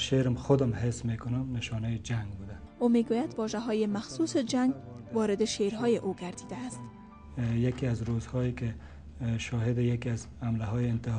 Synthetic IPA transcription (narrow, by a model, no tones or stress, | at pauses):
ʃeɾɪmxʊd̪ɪmhesmekʊnʊmnɪʃɔnajed͡ʒaŋɡbud̪a | omeɡojad̪wɒʒaɦɒjemaxsused͡ʒaŋɡwɒɾɪd̪ɪʃeɾɦɒjeʔoɡaɾd̪id̪aːst̪ | jakiazɾozhɔeke | ʃɔɦɪd̪ɪjakiazhamlaɦɔjeɪnt̪ɪh